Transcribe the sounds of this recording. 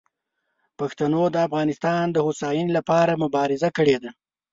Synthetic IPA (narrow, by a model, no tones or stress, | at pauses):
paxt̪anod̪əafɣɑnɪst̪ɑnd̪əhosɑjinlapɑɾamʊbɑɾɪzakəɽed̪a